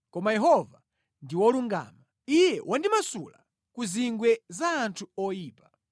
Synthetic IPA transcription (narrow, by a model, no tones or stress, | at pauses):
kɔmajɛɦɔva | ndiwɔluŋɡa̰ːma | ijɛwʔandimasṵla̰ | kuziŋɡwɛzaːntʰuɔjiːpa